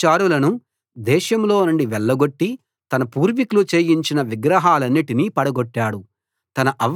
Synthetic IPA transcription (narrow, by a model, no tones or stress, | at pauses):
t͡ʃaːɾulɐnu | d̪ɛːʃɐmlo̞ːnuɳɖiʋɛɭːɐɡo̞ʈːi | t̪ɐnɐpuːɾʋikulut͡ʃe̞ːjiɲt͡ʃinɐʋiɡɾɐɦaːlɐnːiʈinipɐɽɐɡoʈːaːɽu | t̪ɐnɐʔɐʋ